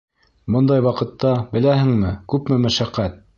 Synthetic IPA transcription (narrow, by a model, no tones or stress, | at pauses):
bŏnd̪ɑjwɑqɤ̆t̪ːɑbɘ̆læhɘ̆ŋmɘkʉpmɘmæʃæqːæt̪̚